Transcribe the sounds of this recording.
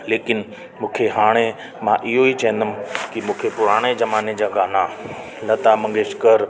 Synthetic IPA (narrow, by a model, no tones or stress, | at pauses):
leːkɪn | mũːkʰeɦaːɽ̃e | mãʔɪɦoit͡ɕɐɦə̃nd̪əmɪ̃kimũːkʰepʊɾaːɽ̃ed͡ʑɐmaːned͡ʑaːɡaːna | lɐt̪amɐ̃ŋɡeːʃkəɾ